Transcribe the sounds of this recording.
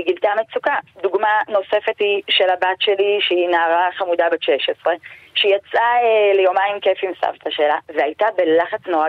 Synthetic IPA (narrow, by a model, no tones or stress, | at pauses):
ɡilt̪amet͡sukad̪uɡmano̞se̞fethiʃelabatʃe̞liʃeinaːʁaχamud̪abeʃeʃesʁe̞ʃeijat͡sʔaelejomaimkefimsa̰vt̪aʃe̞laveajtabe̞laχat͡snoa